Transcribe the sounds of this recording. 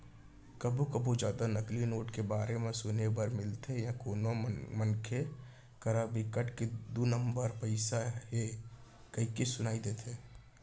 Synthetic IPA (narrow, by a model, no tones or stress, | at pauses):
kəbʱukəbʱud͡ʒjaːd̪anəklinoːʈkebaːɾemẽsʊnebəɾmɪlt̪ʰejãkoːnomənkʰe | kəɾabikəʈked̪unəmbəɾpəɪsaɦe | kəikesʊnaːid̪et̪ʰe